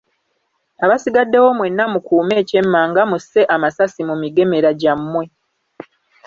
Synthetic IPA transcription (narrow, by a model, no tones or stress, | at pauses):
aβasiɡadːe̞wo̞mwe̞nːamukuːme̞ːce̞mːaːŋɡamusːe̞ʔamasasimumiɡe̞me̞ɾaɟamːwe̞